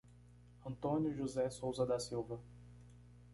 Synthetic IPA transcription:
ɐ̃nt̪õnjʊʒuzɛsowzɐd̪ɐsiwvɐ

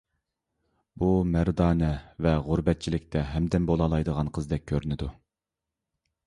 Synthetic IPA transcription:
bumæɾd̪ɑːnɛvɛʁʊɾbɛt̪̚t͡ʃʰilɪk̚ʲt̪ʰɛɦɛmd̪ɛnbolˠɑlˠɑjd̪əʁɑnqʰəzd̪ɛk̚ʲʰːøɾynɪd̪u

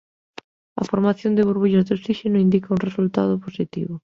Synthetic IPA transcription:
a̰foɾmaθjond̪eβoɾβuʎazðosiʃenoind̪ikaunresult̪a̰ðoposit̪ḭβo

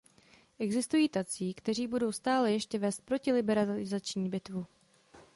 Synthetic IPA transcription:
ʔɛɡzɪst̪ujiːt̪at͡siːkt̪ɛr̝iːbudo̞wst̪aːlɛjɛʃcɛvɛːst̪̚pɾo̞cɪlɪbɛɾalɪzat͡ʃɲiːbɪt̪vu

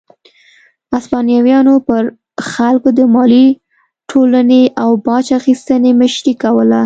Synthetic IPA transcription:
aspɑnjɑwjɑnopəɾ | xalkod̪əmɑli | ʈʰolaneʔawbɑt͡ʃaxist̪əneməʃɾikawəla

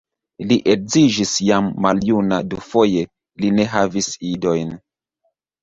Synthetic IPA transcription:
liʔek̚zid͡ʒisjamːaljunadufo̞je̞ | line̞ɦavisido̞jn

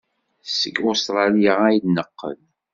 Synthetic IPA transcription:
səɡʊst̪ɾˤɑlijaæjnəqːə̰l

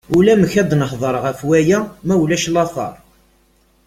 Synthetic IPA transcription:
ulæməçæd̪nəħðˤəɾˤʁæfwæjæmæwlæʃlɑθˤɑ̰ɾˤ

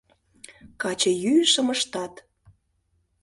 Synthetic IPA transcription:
kɑt͡ɕə̆jyʃəməʃt̪ɑt̪

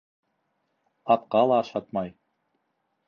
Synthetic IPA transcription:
ɑt̪qɑlˠɑːʃɑt̪mɑj

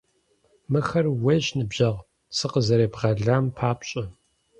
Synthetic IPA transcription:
mɨxɐrwɐʑnɨbʑɐʁ | sɨqəzɐɾeːbʁɐɮaːmpʰaːpɕʼɐ

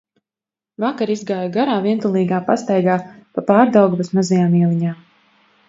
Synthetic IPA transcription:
vakaɾizɡaːjuɡaɾaːviɛnt̪ulˠiːɡaːpast̪ajɡaːpapaːɾd̪awɡuvasmazajaːmiɛlˠiɲaː

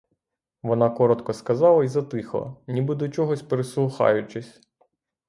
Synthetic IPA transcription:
ʋɔnɑkɔɾɔt̪kɔskɐzɑlˠɐizɐt̪ɪxˠɔ̰nʲibɪd̪ɔt͡ʃɔɦɔsʲpeɾeslˠʊxɑ̰jʊt͡ʃɪsʲ

